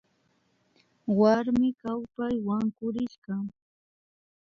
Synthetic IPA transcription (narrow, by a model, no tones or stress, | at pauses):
waɾmɪkawpajwaŋkʊɾɪʃɢa